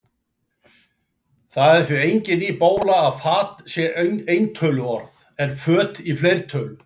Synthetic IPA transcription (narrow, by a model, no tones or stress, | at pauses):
θaðɛɾ̥θvʏejɲcɪnipoːwlaːðfaːt̪sjɛenejnt̪ʰœːlʏɔɾ | ɛɾ̥fœːt̪iflejɾ̥t̪ʰœːlʏ